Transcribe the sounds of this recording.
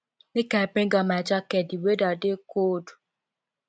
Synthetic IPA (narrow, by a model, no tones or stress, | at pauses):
nekabɾĩŋɡɔmad͡ʒɔkɛdiwedɔdekodu̥